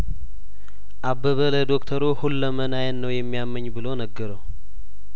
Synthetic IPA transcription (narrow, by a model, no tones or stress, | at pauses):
ʔabːəβələd̪okt̪ʰəɾuhulːəmənajənːəwjɛmːijamːəɲːbɨlonəɡːəɾəw